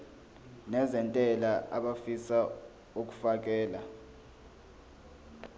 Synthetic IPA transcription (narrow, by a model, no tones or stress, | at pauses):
nɛzɛntʼɛlaʔaɓafisa | ok̬ʼu̥fak̬ɛːla